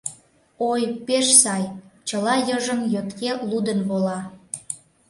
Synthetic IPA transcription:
ojpeʃsɑjt͡ɕəlɑjəʒəmjøt̪kelud̪ənβolɑ

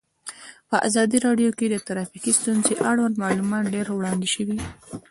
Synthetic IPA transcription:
pəʔa̰zɑd̪iɾɑɖjoked̪ət̪aɾɑfikist̪unzeʔaɽwand̪mɑlumɑt̪ɖeɾwɽɑnd̪eʃəwi

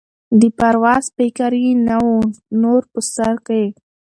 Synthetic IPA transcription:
d̪əpaɾwɑzpekaɾjinawonoɾpəsaɾkae

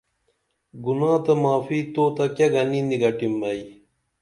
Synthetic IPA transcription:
ɡunãːt̪ɐmaːfiːt̪oːt̪ɐkjɐɡɐnind̪iɡɐʈimbɐi

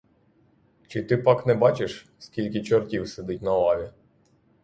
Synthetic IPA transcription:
t͡ʃɪt̪ɪpɑknɛbɑt͡ʃɪʃ | skʲilʲk̬ʲɪt͡ʃɔrtʲiwsed̪ɪtʲnɐɔlˠɑʋʲi

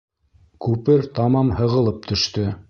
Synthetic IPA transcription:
kʉpɘɾt̪ɑmɑmhɤ̆ʁɤ̆lˠɤp̚t̪ʰɵ̆ʃt̪ɵ

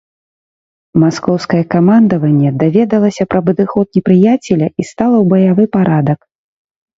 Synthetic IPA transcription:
maskɔwskɐjɛkamand̪ɐvɐnʲːɛd̪avʲɛd̪ɐlˠɐsʲɐpɾɐbɨd̪ɨxɔt̪̚nʲɛpɾɨjat͡sʲɛlʲɐʔist̪alˠɐwbɐjavɨpaɾad̪ɐk

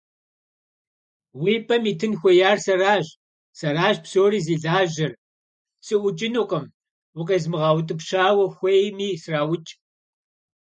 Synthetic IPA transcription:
wiːpʼɐmiːtʰɨnxʷɔjaːrsɐraːʑ | sɐraːʒpsoːriːziːɮaːʒɪr | sʼɨʔʷʊt͡ʃʼɪnoqʼɐm | wʊqʼɐzmɨʁɑːwtʼɨpɕaːwɐxʷejmiːsraːwʊt͡ʃʼ

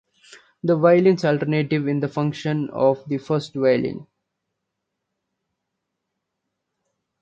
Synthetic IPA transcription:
d̪əʋaɪlɪ̃nsalʈəɾneːʈɪʋɪ̃nd̪əfʌ̃ŋkʃə̃nɔ̰ːʋd̪ifəɾsʈʋaɪlɪ̰̃n

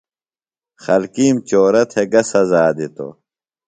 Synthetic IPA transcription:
xɐlkiːmt͡ɕoːɾɐt̪ʰeɡɐsɐzaːd̪it̪o̰

